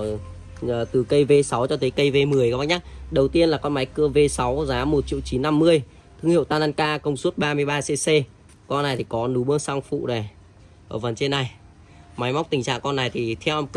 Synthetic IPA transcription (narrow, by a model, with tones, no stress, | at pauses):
t̪ɨ˨˩kə˧jve˧sa˨˦wt͡ɕɔ˧t̪ʰə˨˦jkə˧jve˧mɨ˨˩əjka˨˦ɓa˦˥ɲa˦˥t̚ɗə˨˩wt̪i˧ənlaː˨˩kɔ˧nma˨˦jkɨ˧əve˧sa˨˦wzaː˨˦mo˨˩t̚t͡ɕḭ˧˨əwt͡ɕi˨˦nːa˧mːɨ˧əj | t̪ʰɨ˧ŋhḭ˧˨wt̪aː˧naː˧nkaː˧kə˧wŋ͡msu˦˥t̚ɓaː˧mɨ˧əjɓaː˧se˧se˧ | kɔ˧nːa˨˩jt̪ʰi˨˩kɔ˨˦nu˨˦ɓɨ˨˦əŋsa˧ŋfṵ˧˨ɗe˨˩ | ʔəː˧˩və˨˩nt͡ɕe˧nːa˨˩j | ma˨˦jma˦˥k͡p̚t̪ï˨˩ŋt͡ɕa̰ː˧˨ŋkɔ˧nːa˨˩jt̪ʰi˨˩t̪ʰɛ˧wʔɛ˧mk